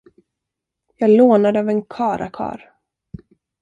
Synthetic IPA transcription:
jɑːɡloːnad̪əɑvɛnkʰɑːɾa̰kʰɑ̰ːɾ

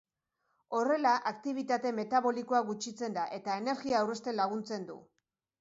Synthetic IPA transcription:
o̞re̞laʔakt̪iβ̞it̪at̪e̞me̞t̪aβo̞likoaɣut͡ʃit͡se̞nd̪aʔe̞t̪ae̞ne̞ɾɣiaːwre̞st̪e̞nlaɣ̞unt͡se̞nd̪ṵ

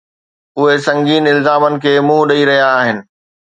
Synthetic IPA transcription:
ʊɦesɐ̃ŋɡiːnɪlzaːmənɪ̆kʰeːmũːɦɗɐiɾɐɦijaːɦɪnɪ̆

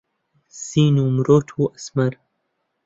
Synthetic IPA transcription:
siːnuːmɾoːt̪ʰuːʔɐsmɐɾ

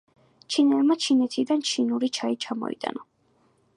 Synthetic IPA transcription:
t͡ʃʰinɛlmat͡ʃʰinɛt̪ʰid̪ant͡ʃʰinuɾit͡ʃʰait͡ʃʰamɔ̰ḭt̪ʼa̰na

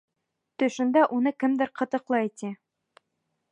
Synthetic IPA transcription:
t̪ɵ̆ʃɘ̆nd̪æʔunɤkɘmd̪ɘɾqɤ̆t̪ɤ̆qlˠɑit̪i

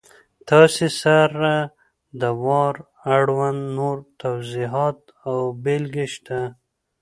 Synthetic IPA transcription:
t̪ɑsesaɾa | d̪əwɑɾ | aɽwand̪noɾt̪awziɦɑt̪ | awbelɡeʃt̪a

